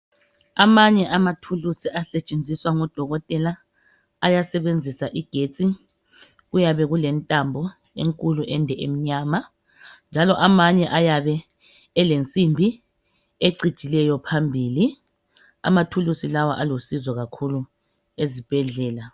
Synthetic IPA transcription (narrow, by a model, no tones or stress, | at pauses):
amaɲɛʔamatʰulusiasɛt͡ʃʼend͡zʱiswaŋɔd̥ʱɔɣɔtʼɛla | ajasɛβend͡zʱisaʔiɡ̥ʱet͡sʼi | ɣujaβɛɣulɛntʼambʱɔ | ḛŋkʼuluʔɛndʱɛʔem̩ɲaːma | nd͡ʒʱalɔʔamaɲɛʔajaβɛː | lent͡sʼimbʱi | eǀi̥ʒ̥ʱilɛjɔpʰambʱiːli | a̰matʰulusilawaʔalosizɔɣakʰulu | ezib̥ʱɛɮɛːla